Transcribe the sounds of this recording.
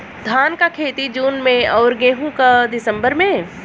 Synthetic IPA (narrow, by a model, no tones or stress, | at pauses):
d̪ʱaːnkakʰeːt̪id͡ʒuːnmẽɔːɾɡeːɦũkad̪ɪsə̃mbəɾmẽ